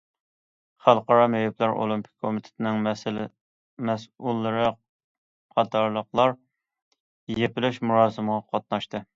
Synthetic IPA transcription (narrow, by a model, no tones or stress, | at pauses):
χælˠqɑɾɑmɛjɛplæɾʔo̰lˠimpʰɪ̥k̚ʲkʰːomɪt̪ʰɪ̥t̪ʰɪnɪŋ | mɛsulˠːɨɾɨ | qʰɑt̪ʰɑɾlˠəqlˠɑɾ | jepɪlɪʃmuɾɑːsɨməʁɑqʰɑt̪̚nɑʃt̪ɨ